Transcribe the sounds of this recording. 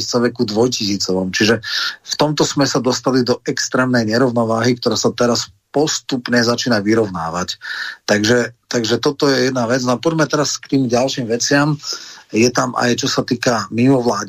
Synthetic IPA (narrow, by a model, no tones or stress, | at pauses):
it͡saʋɛkud̪ʋɔjcisiːt͡sɔʋɔmt͡ʃiʒɛft̪ɔmt̪ɔsmɛsad̪ɔst̪alid̪ɔɛkst̪ɾɛːmnɛjɲɛɾɔʊnɔʋaːɦik̚t̪ɔɾaːsat̪ɛɾas | pɔst̪upɲɛzat͡ʃiːnaʋiɾɔʊna̰ːʋact̪aɡʒɛt̪aɡʒɛt̪ɔt̪ɔjɛjɛd̪naʋɛd͡znɔapɔɟmɛt̪ɛɾaskt̪iːmɟalʃiːmʋɛt͡sɪamjɛt̪amʔa̰jt͡ʃɔsat̪iːkamimɔʋlaːɟ